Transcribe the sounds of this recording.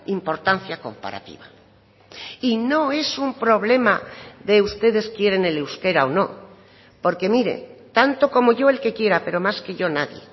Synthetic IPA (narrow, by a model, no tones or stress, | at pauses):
impo̞ɾt̪an̟θjako̞̰mpa̰ɾa̰t̪ḭβa | ino̞e̞sumpɾo̞β̞le̞maðe̞ust̪e̞ðe̞skje̞ɾe̞nelewske̞ɾaono̞ | po̞ɾke̞miɾe̞̰t̪ant̪o̞ko̞mo̞ʝo̞e̞lke̞kje̞ɾape̞ɾo̞maske̞ʝo̞naðje̞̰